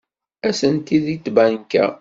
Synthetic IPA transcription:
æsənt̪iðit͡s̪ːbænkæ̰

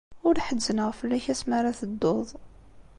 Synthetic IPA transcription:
ʊɾħəzːənəʁfəlːæçæsmaɾaθəd̪ːoðˤ

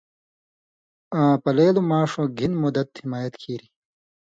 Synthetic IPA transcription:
ãːpɐleːlumaːʂõːɡʱinmud̪ɐt̪himaːjɐt̪kʰiːɾi

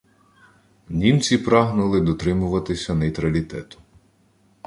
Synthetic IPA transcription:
nʲimt͡sʲipɾɑɦnʊlˠɪd̪ɔt̪ɾɪmʊʋɐt̪ɪsʲɐnɐjt̪ɾɐlʲit̪ɛt̪ʊ̥

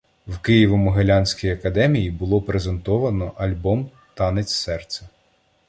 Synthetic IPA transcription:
wkɪjiʋɔmʊɦelʲanʲsʲkʲijɐkɐd̪ɛmʲijibʊlˠɔpɾezent̪ɔʋɐnɔʔɐlʲbɔm | t̪ɑnet͡sʲsɛrt̪sʲɐ

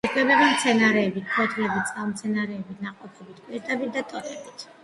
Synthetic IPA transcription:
kʰʼɛbɛbamt̪sʰɛnaɾɛːbitkʰɔt̪ʰɾiɛbit̪t̪sʼamt̪sʰɛnaɾɛːbit̪ʰnaqʼɔpʰɛbit̪ʰpʼiɾd̪abit̪̚d̪at̪ʼɔt̪ʰɛbit̪ʰ

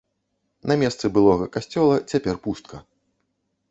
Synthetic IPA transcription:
nɐmʲɛst̪sɨbɨlˠɔɣɐkasʲt͡sʲɔlˠɐt͡sʲapʲɛrpust̪̚kʰɐ

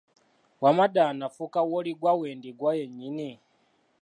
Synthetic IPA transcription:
wamaɗanafukawɔliɡwawɛndiɡwajɛɲini

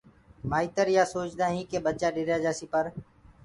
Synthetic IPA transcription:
maːiːt̪əɾjaːsoːt͡ʃd̪aːɦĩːkeːɓət͡ʃaːɗɪɾjaːd͡ʒaːsiːpəɾ

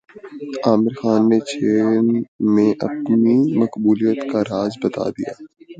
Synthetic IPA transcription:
aːmɪɾxaːnːet͡ʃʰeːnmẽʔɐ̰p̚nimɐkbuːlijət̪kaɾaːzbɐt̪a̰d̪ḭja̰ː

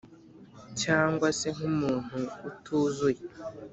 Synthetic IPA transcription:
caːŋɡwase̞ŋ̥umuːn̥huːtʰuːzuje

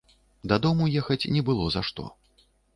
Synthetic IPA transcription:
d̪ɐd̪ɔmujɛxɐt͡sʲnʲɛbɨlˠɔzaʂt̪ɔ̰

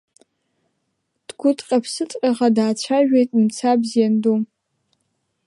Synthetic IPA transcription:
d̥ɡʷʊtʰʼqʲʼapʰsɨt͡sʼqʲʼaʁadaːt͡ʃʷʰaʒᶣejtʼmt͡sʰabzjandom

